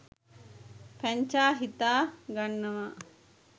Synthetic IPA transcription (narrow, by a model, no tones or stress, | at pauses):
pæɲt͡ʃaːɦit̪aːɡanːəʋa